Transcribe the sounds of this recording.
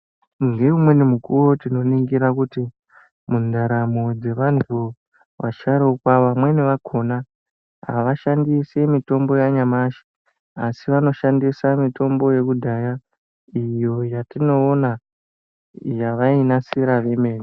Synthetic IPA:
ŋɡe̞umwe̞nimukuro̞tino̞niŋɡiɾakuti | mundaɾamod͡ze̞ʋantʰu | ʋa̰ʃaɾokwaʋamwe̞neʋakʰo̞na | ɦa̰ʋaʃandisemito̞mbo̞jaɲamaʃi̥ | asiʋano̞ʃandisamito̞mbo̞je̞kudʱaja | ijo̞jatino̞ːna | jaʋainasiɾaʋe̞me̞ːni

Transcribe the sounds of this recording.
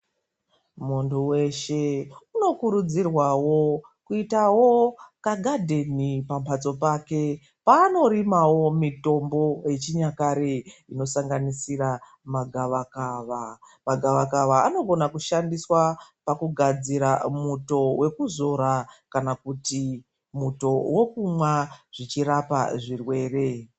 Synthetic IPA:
munduwe̞ʃeuno̞kuɾud͡zirwawo̞ | kuitawo̞kaɡʱadʱenipampʰat͡so̞paːke̞ | paːno̞ɾimawo̞mito̞mbo̞je̞t͡ʃiɲakaɾeino̞saŋɡanisiɾa | maɡʱaʋakaʋa | maɡʱaʋakaʋaano̞ɡʱo̞nakuʃandiswapakuɡʱad͡ziɾamuto̞we̞kuzo̞ɾakanakuti | muto̞wo̞kumwaʐ̥it͡ʃirapa̰ʐirwe̞ːre̞

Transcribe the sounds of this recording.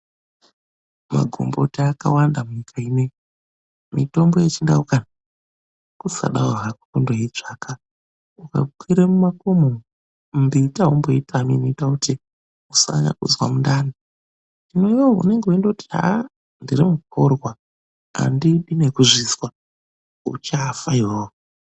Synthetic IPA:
ma̰ɡʱo̰mbo̰tiaka̰wandamuɲikʰaine | mito̞mbo̞jet͡ʃinda̰ukana | kusa̰ɗaoɦaku̥kundoit͡ʂaːka | uka̰kʰwiɾemumakumo | ndiitaɦomboitamḭnoitakuti | usa̰ɲa̰kṵzwa̰mundani | nino̞iwoṵne̞ŋɡeuindotiɦa̰ | ndirimuk̚orwa | a̰ndiɗinekuʐizwa | ṵt͡ʃafajoo

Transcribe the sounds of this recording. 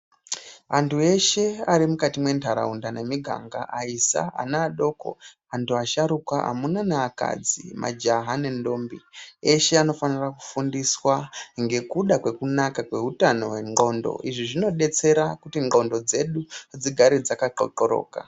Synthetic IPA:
antʰue̞ʃe̞aɾimukatimwe̞ntʰaɾa̰undanemiɡʱa̰ŋɡaʔaisa̰a̰naːɗo̞ko̞̰ | antʰuaʃaɾukaʔa̰munanaaka̰d͡zḭmʔa̰d͡ʒaɦane̞ndo̞ːmbieʃe̞ano̞faniraku̥fundiswaŋɡe̞kuɗakwe̞kunakakwe̞ɦutano̞weŋ͡ǃo̞ndo̞̰ʔiʐiʐino̞ɗe̞t͡se̞ɾakutiŋ͡ǃo̞ndo̞d͡ze̞ɗud͡ziɡʱaɾid͡zakaǃo̰ǃoɾo̞̰ːka̰

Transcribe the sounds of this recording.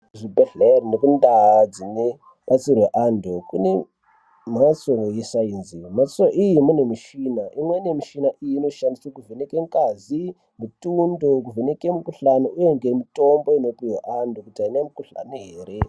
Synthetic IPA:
ʐibʱeɮerinekundad͡zine | ɓat͡sirweʔandokune̞ | mat͡sojesainzimat͡soʔijimune̞miʃinaʔimweinemiʃinaʔijino̞ʃandiswakuvenekeŋkazi | mutundok̬uvene̞kemukuɬanouje̞ŋɡemito̞mbo̞ino̞piwaʔandokutiainemukuɬa̰niɦeːɾe

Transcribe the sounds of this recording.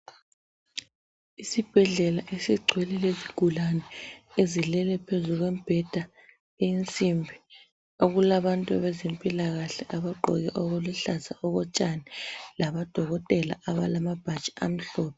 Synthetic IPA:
isib̥ʱɛɮɛlaʔesiɡ͡ǀʱwɛlɛleziɡ̥ʱulanɛezilɛlɛpʰezuɣwemb̥ʱɛd̥ʱa | ejint͡sʼimbʱi | oɣulaβantʼua̰βɛzempʼilaɣaɬɛʔaβaɡ͡ǃʱɔ̰ɣɛʔoɣuluɬazaʔɔɣɔt͡ʃʼanɛlaβad̥ʱɔɣɔtʼɛla̰ʔaβalamab̥ʱḁt͡ʃʼi̥a̰m̩ɬɔːpʰɔ

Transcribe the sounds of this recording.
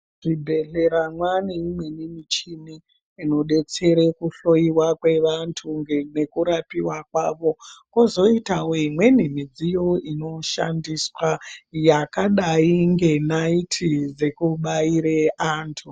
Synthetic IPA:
ʐ̥ibʱe̞ɮe̞ɾamwaniimwenimit͡ʃiniː | no̞ɗe̞t͡se̞ɾekuɬo̞iwakwe̞ʋantʰuŋɡene̞kuɾapiwakwaːʋo̞kozo̞itawoimwe̞nimid͡zijo̞ino̞ʃa̰ndiswajakaɗaiŋɡe̞naitʰid͡ze̞kuɓaiɾeʔaːntʰu

